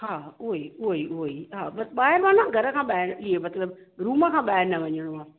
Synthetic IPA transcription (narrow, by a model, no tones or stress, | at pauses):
hãːoiioiɦãːmɐsɓaːɦɪɾʋaːnãɡʱɐɾəkʰãːɓaːɪɾliemɐt̪ləb | ɾuːməkʰãːɓaːɦeɾnɛʋəɲəɽ̃õãː